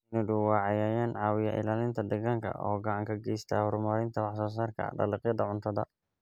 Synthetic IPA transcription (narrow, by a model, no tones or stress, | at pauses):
ɪnʊɖʊwɑːʕɑjaːjaːnʕɑːwɪjɐʔɪ̰laːlɪnt̪ʰɐd̪ɐɣɐŋkʰɐ̰ʔɔ̰ːɡɑʕɑŋkʰɐɡɛjst̪ʰɐ̰hʊɾʊmɐɾɪnt̪ʰɐwɑħsɔːs̬aːrkʰɐ̰ɖɐ̰lɪqjɐd̪ɐʕʊnt̪ʰɐdɐ̰